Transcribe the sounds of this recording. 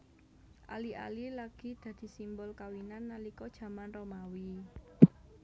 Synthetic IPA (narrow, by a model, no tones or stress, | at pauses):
ʔa̰liʔa̰lilaɡ̥i̤d̪̥ä̤d̪̥i̤simbʊlkawinanːalikɔd̥ʒ̥ä̤manromawi